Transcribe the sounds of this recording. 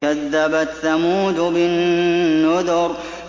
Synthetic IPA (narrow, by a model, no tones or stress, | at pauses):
aðːabaθamuːd̪ʊbɪnː | ʊd̪ʊɾ